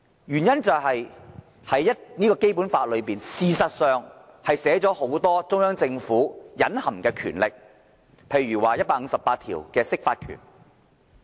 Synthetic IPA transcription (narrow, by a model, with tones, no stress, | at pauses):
jyː˨˩njɐ˥nt͡sɐ˨wɦɐ˨j | hɐ˨˥jɐ˥t̚niː˥kɔː˧ke˥jpu˨˥nfaː˧t̚lɵ˨˧ɥpiː˨nsiː˨˧sɐ˨t̚sœː˨˧ŋ | hɐ˨jsɛː˨˥t͡sɔː˨˥ho˨˥wt̪ɔː˥t͡sʊ˥ŋjœː˥ŋt͡sɪ˧ŋfuː˨˥jɐ˨˥nhɐ˨˩mkɛː˧kʰy̰ː˨˩nlɪ˨k̚ | pʰe˧jɥyː˨˩waː˨jɐ˥t̚paː˧˥ŋ̩˨˧˥sɐ˨pːaː˧t̪ʰḭː˨˩wkɛː˧sɪ˥k̚faː˧t̚kʰy̰˨˩n